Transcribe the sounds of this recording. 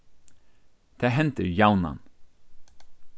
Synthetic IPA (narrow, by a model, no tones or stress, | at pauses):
d̪̥ʰeːɦɛnt̪əɾjawna̰n